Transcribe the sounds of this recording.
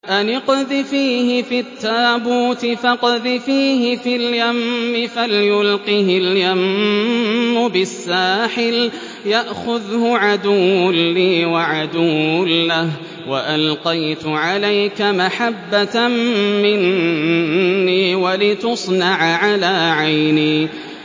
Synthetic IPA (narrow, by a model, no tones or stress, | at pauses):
ʔanɪqðɪfiːhɪfit̪ːaːbuːt̪ɪfɑqðɪfiːɦɪfiljamːɪfaljʊlqihɪljamː | ʊbɪsːaːħɪl | jaʔxʊðhʊʕad̪uːʊlːiːwaʕad̪uːʊlːah | waʔalqɑjt̪ʊʕalajkamaħabːa | mɪn | iːwalɪt̪ʊsˤnɑʕʕalaːʕajniː